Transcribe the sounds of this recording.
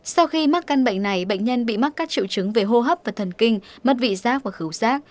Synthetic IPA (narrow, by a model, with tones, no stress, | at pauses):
sa˧wxi˧ma˦˥t̚ka˧nɓə̰˧˨jŋ̟na˨˩jɓə̰˧˨jŋ̟ɲə˧nɓḭ˧˨ma˦˥t̚kaː˦˥k̚t͡ɕḭ˧˨wt͡ɕɨ˨˦ŋve˨˩ɦo˧ɦə˦˥p̚vaː˨˩t̪ʰə˨˩nkï˧ŋ̟mə˦˥t̬̚vḭ˧˨zaː˦˥k̚vaː˨˩xɨ˨˦wzaː˦˥k̚